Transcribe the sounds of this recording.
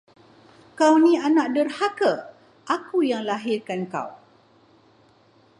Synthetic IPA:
kawnĩanãʔ̚dərhakə | ʔakujaŋlaɦɪrkanka̰w

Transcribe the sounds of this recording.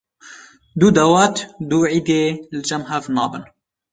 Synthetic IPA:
d̪uːd̪ɐwɑːt̪d̪uːʕiːd̪eːlɨd͡ʒɛmɦɛvnɑːbɨn

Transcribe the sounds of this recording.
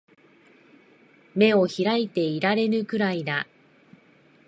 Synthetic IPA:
me̞o̞çiɾait̪e̞iɾaɾe̞ɾɯ̟kɯ̟ɾaid̪a

